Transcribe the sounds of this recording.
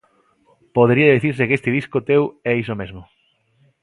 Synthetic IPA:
poðeɾiɐðiθiɾs̬ɪkest̪ɪðiskʊt̪ewɛisomezmʊ

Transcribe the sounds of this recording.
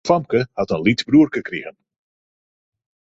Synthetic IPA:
fɑmkəhɑtənlitzbruərkəkriɣən

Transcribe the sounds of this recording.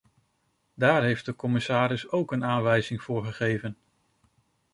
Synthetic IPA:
daːɹɦejfdəkɔmɪsaːɾɪsowkənaːnʋɛjzɪŋv̥ʊːɹχəχejvən

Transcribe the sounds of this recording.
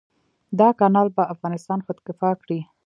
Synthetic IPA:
d̪ɑkɑnɑlbaafɣɑnɪst̪ɑnxʊd̪kɪfɑkɽi

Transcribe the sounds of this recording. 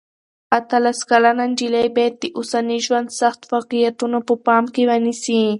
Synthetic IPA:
at̪alaskalanand͡ʒɪlajbet̪ɪʔʊsanɪʃwansaχt̪wakɪjat̪ʊnʊpʊpamkɪwanɪsiː

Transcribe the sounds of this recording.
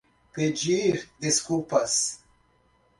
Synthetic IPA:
ped͡ʒiɾd̪iskulpɐs

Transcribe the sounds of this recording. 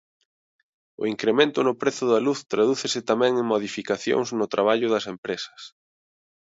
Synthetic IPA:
ʊ̰iŋkɾemẽnt̪ʊnʊpɾeθʊðɐluθt̪ɾaðuθesɪt̪amɛ̃ŋeŋmoðifikaθjo̰ŋznʊt̪ɾaβ̞aʎʊðɐsempɾesɐ̥s

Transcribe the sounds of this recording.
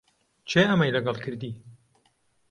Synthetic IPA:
t͡ʃʰeːʔɐmɐjlɐɡɐlˠkʰɨɾd̪iː

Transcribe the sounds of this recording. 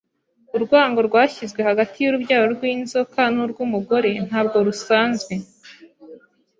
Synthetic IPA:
uɾɡwaːŋɡo̞ɾɡwaːçizɡwe̞haɡatʰijuɾubjaːjoɾɡwiːnzo̞kanuɾɡumuɡo̞ɾe̞n̥haːbɡoɾusaːnzɡwe̞

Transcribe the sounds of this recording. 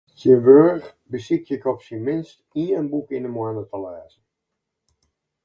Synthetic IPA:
təʋøɹx | bəsɪk̚tɪkɔpsinmɪnstiəɹənbukɪnəmwɛnətəlɛːz̥ən

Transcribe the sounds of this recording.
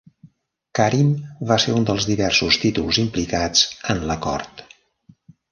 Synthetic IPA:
kaɾimbaseɾund̪əlˠzðiβɛrsust̪it̪ulˠzimplikad͡zənləkɔ̰rt̪

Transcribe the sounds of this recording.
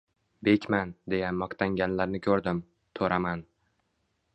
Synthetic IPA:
be̞kʲmand̪e̞jaːɒqt̪ʰaŋɡʲanlaɾnɪkʲʰɵɾd̪ɪm | t̪ʰɵɾaman

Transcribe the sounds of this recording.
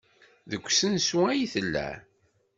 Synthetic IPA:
ðəkʷːsənsuæjiθəlːæ̰ʕ

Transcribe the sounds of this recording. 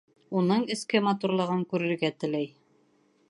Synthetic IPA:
unɤɴɘ̆skɘmɑt̪uɾlˠɤ̆ʁɤŋkʉɾɘ̆ɾɡæt̪ɘ̆læj

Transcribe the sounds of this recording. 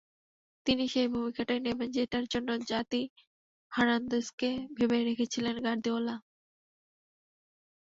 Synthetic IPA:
t̪iniʃejbʱumikʰaʈaenebend͡ʑeʈaɾd͡ʑonːod͡ʑat̪i | haɾand̪oskebʱebeeɾekʰet͡ɕʰilenɡaɾd̪ʱiola

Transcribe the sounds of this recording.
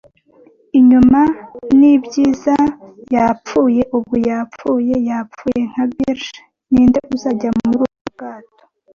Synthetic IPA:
iɲumanibɟiːzajap͡fuːje̞ʔubɡujap͡fuːje̞jap͡fuːje̞ŋ̥haβiɾʃ | niːndeʔuzaːɟauɾuːubɡ̥aːto̥

